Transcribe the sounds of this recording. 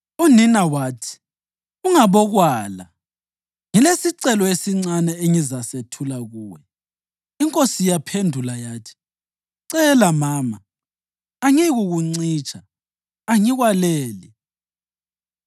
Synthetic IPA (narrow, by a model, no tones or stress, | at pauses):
uninawaːtʰi̥ | uŋaβɔɣwaːla̰ | ŋilesiǀɛlɔesiŋ͡ǀanɛeŋizasetʰulaɣuːwɛ | iŋkʼosijapʰendʱulajaːtʰi̥ | ǀɛlamaːmaː | ŋiɣuɣuŋ͡ǀiːt͡ʃʰʼaː | ŋiɣwalɛːli